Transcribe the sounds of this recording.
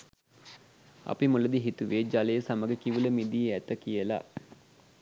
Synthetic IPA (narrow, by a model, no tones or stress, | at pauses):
a̰pimuləd̪iɦit̪uʋed͡ʒaləjəsaməɡəkiʋuləmid̪ijəæt̪əkijəla̰